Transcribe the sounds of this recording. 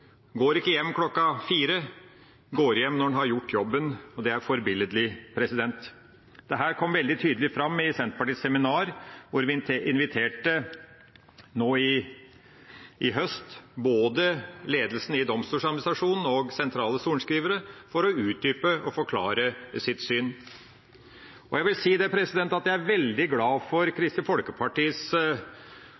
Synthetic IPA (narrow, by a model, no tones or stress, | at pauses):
ɡoːɾɪkːəjɛmːkʰlɔkːɑfiːɾə | ɡoːɾjɛmːnɔɛnɦɑɾjʊʈːjɔbːənɔd̪ɛæɾfɔɾbɪləd̪lɪpʰɾɛsɪd̪ɛnt̪ | d̪̥ɛɦæːɾkʰɔmːʋɛld̪ɪt̪ʰyːd̪əlɪfɾɑmːɪsɛnt̪pɑʈiːsɛmɪnɑːɾʋʊɾʋɪʔɪnʋɪt̪ʰeːʈə | noːɪ | ʔɪɦœst̪boːd̪əleːd̪lsn̩ɪd̪ɔmst̪uːʂɑd̪mnɪst̪ɾɑʂuːnn̩ɔɡsɛnt̪ʰɾɑːləsuːɳʂkɾiːʋəɾəfɔɾɔʉːt̪̚d̪yːpəɔfɔɾkʰlɑ̰ːɾəsɪt̪syːn | ɔjæɪʋɪlsiːd̪ɛpʰɾɛsɪd̪ɛnt̪ɑt̪̚jæɪæɾʋɛld̪ɪɡlɑːfɔɾkʰɾɪst̪ɪfɔlkəpʰɑʈiːs